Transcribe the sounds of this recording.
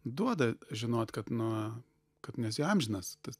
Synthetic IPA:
d̪uɔd̪ɐʒʲɪnoːt̪kɐt̪nʊ | kɐt̪nʲɛsʲɪɐmʲʒʲɪnɐst̪ɐs

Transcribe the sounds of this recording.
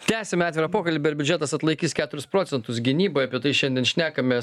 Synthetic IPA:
t̪ʲæːsʲɛmʲɛɑːt̪ʲʋʲɪɾɐpoːkɐlʲiːbʲɛɾbʲʊd͡ʒʲɛt̪ɐsɐt̪lˠɐɪkʲiːskʲæːt̪ʊɾʲʊspɾoːt̪sʲɛnt̪ʊsɡʲɪnʲiːboːjɐpʲiɛt̪ɐɪʃʲɛnʲd̪ʲiɛnʃʲnʲæːkɐmʲe

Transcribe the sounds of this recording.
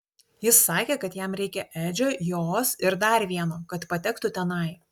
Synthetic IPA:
jɪsːɑːkʲeːkɐt̪jɛmɾʲɛɪkʲɛʔæːd͡ʒʲoːjoːsɪɾd̪ɐɾʲʋʲiɛnoːkɐt̪pɐt̪ʲɛkt̪ʊt̪ʲɛnɐɪ

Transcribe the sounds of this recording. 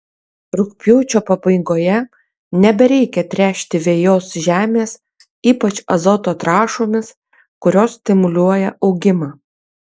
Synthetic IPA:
ɾʊkpʲjuːt͡ʃʲoːpɐbɐɪɡoːjɛ | nʲɛbʲɛɾʲɛɪkʲɛt̪ʲɾʲæːʃʲt̪ʲɪʋʲeːjoːsʒʲæːmʲeːs | iːpɐt͡ʃɐzɔt̪oːt̪ɾɑːʃoːmʲɪs | kʊɾʲoːssʲt̪ʲɪmʊlʲuɔjɛʔɒʊɡʲɪmɑː

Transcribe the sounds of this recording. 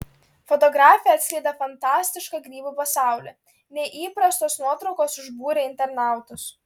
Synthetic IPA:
fɔt̪ɔɡɾɑːfʲɪjɛɐt̪sʲkʲlʲɛɪd̪ɐfɐnt̪ɑːsʲt̪ʲɪʃkɑɡɾʲiːbuːpɐsɑˑʊlʲɛ̰ | nʲɛʔiːpɾɐst̪oːsnuɔt̪ɾɒʊkoːsʊʒbuːɾʲɛɪnʲt̪ʲɛɾnɑˑʊt̪ʊs

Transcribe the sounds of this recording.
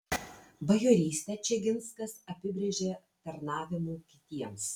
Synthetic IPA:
bɐjoːɾʲiːsʲt̪ʲɛt͡ʃʲɛɡʲɪnskɐsɐpʲɪbʲɾʲeʒʲeː | t̪ɐɾnɑːʋʲɪmuːkʲɪt̪ʲiɛms

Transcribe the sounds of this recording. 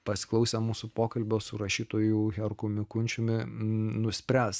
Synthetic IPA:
pɐsʲɪ̥klˠɐʊsʲemuːsʊpoːkɐlʲbʲoːsʊɾɐʃʲiːt̪oːjuɣʲɛɾkʊmʲɪkʊnʲt͡ʃʲʊmʲɪnʊsʲpʲɾʲæːs

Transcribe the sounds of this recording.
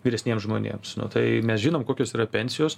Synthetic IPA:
ʋʲiːɾʲɛsʲnʲiɛmsʒmoːnʲḛːmsnʊ̰t̪ɐɪmʲɛsʒʲinoːmkoːkʲoːsiːɾɐpʲɛnʲsʲɪjoːs

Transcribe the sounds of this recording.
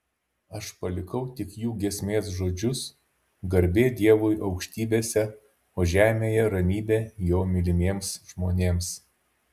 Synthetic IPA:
ɐʃpɐlʲɪkɐʊt̪ʲɪkjuːɡʲiɛsʲmʲeːsʒoːd͡ʒʲʊs | ɡɐɾʲbʲeːd̪ʲiɛʋʊjʔɐʊkʃʲt̪ʲiːbʲeːsʲɛ | oːʒʲæːmʲeːjɛɾɐmʲiːbʲeːjoːmʲɪlʲɪmʲeɛmsʒmoːnʲeːms

